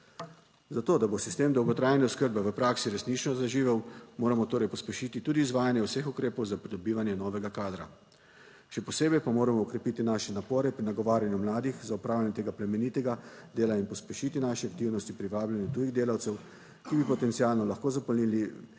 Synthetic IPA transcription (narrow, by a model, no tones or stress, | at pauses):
zat̪oːd̪abosist̪eːmd̪ɔwɡɔt̪ɾaːjnɛɔskəɾbɛʋəpɾaːksiɾɛsnit͡ʃnɔzaʒiːʋɛwmoːɾamɔt̪oːɾɛjpɔspɛʃiːt̪it̪uːd̪iːzʋaːjanjɛwsexukɾeːpɔwzapɾid̪ɔbiːʋanjɛnɔːʋɛɡakaːd̪ɾa | ʃɛpɔseːbɛjpamoːɾamɔːkɾɛpit̪inaːʃɛnapɔːɾɛpɾinaɡɔʋaːɾjanjumlaːd̪ixzaupɾaːwljanɛt̪eːɡaplɛmɛniːt̪ɛɡad̪eːlainpɔspɛʃit̪inaʃɛak̚t̪iwnɔst̪ipɾiʋaːbljanjɛt̪uːjiɣd̪eːlawt̪sɛw | kibipɔt̪ɛnt̪sialnɔlaxkoːzapɔlniːli